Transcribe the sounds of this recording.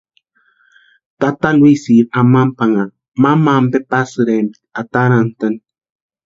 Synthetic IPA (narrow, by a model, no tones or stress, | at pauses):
t̪at̪alwisiɾamampaŋa | mamambepasɨɾen | at̪aɾant̪ən